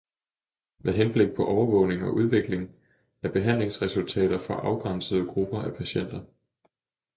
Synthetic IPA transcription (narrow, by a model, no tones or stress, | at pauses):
meðˠɦenb̥le̝ɡ̥̚pʰɒ̽ʔɒʊɐʋɔ̽ʊne̝ŋɒ̽ʔuð̞ˠʋe̝ɡ̥le̝ŋ | æɐb̥e̝ɦæn̰le̝ŋsʁɛsult͡sʰɛ̰ːɾ̥ɐfɒʔɑ̈ʊɡ̥ʁɑn̰səð̞̩ˠəɡ̥ʁub̥ɐʔæpʰæɕen̰d̥ɐ